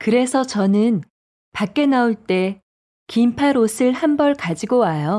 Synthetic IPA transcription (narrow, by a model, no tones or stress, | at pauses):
kɯɾe̞sʰʌt͡ɕʌnɯn | pak͈e̞nauɭt͈e̞ | kimpʰaɾosʰɯɭhambʌɭkad͡ʑiɡowajo